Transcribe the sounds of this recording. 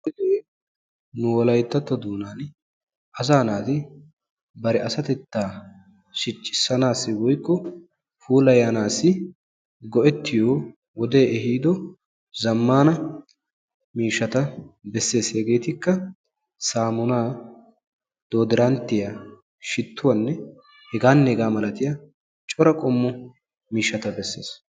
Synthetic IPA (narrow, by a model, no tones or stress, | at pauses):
ɪd̪eː | nʊwɔlɐjt̪ːɐt̪ːɔd̪uːnaːn | ʔɐzaːnaːt̪ɪ | bɐɾɛʔɐsɐt̪ɛt̪ːaː | ʃɪt͡ʃʼːɪ̥sːɐnaːsːɪwɔjkːɔ | fuːlɐjaːnaːsːɪ | ɡɔʔɛt̪ːɪjoː | wɔd̪eːʔɛhiːd̪ɔ | zɐmːaːnɐ | miːʃːɐt̪ɐbɛsːe̞ːshɛɡe̞ːt̪ɪkːɐ | saːmʊnaː | d̪̥o̞ːd̪ɪɾɐnt̪ːɪja | ʃɪt̪ʰːʊwɐnːɛ | hɛɡaːnːɛɛɡaːmɐlɐt̪ɪja | t͡ʃʼɔɾɐkʼɔmːɔ | miːʃːɐt̪ɐbɛsːe̞ːs